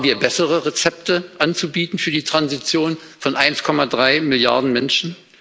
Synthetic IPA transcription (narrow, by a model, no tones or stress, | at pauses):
m̩viːɐbɛsəʁəʁet͡sɛp̚təʔant͡subiːtn̩fyːɐdiːtʁ̥anzit͡sjoːn | fɔnʔaɪnskʰɔmadʁaɪmɪlja̰ɐdn̩mɛnʃn̩